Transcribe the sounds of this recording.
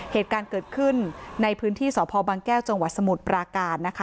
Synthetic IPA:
heː˨˩t̪̚kaː˧nkɤː˨˩t̪̚kʰɯ˥˩nːa˧jpʰɯː˦˥nt̪ʰiː˥˩sɔː˩˦pʰɔː˧baː˧ŋkɛː˥˩wt͡ɕa˧ŋwa˨˩t̪̚sa˧mu˨˩t̪̚pɾaː˧kaː˧t̪̚na˦˥kʰa˦˥

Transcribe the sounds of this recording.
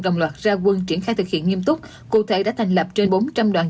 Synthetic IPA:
ɗə̰˨wŋ͡mlwaː˨˩t̚zaː˧kwə˨˧˩nt͡ɕi˧˩ənxaː˧jt̪ʰɨ˨˩k̚hḭ˧˨ənŋi˧əmt̪ʊ˦˥k͡p̚ | kṵ˧˨t̪ʰe˧˦ɗa̰ː˧˥t̪ʰjŋ̟lə˨˩p̚t͡ɕe˧nɓo˨˦nt͡ɕa˧mɗwaː˨˩n

